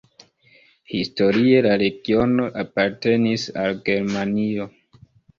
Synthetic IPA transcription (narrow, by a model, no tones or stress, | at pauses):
histo̞ɾie̞laɾe̞ɡio̞no̞ʔapaɾte̞nisalɡe̞ɾmanio̞